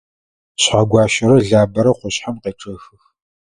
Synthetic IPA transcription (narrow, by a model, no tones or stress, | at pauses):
ɕħaɡʷɑːʃɐɾɐɮaːbɐɾɐχʷʊɕħamqeːʈ͡ʂʼɐxɨx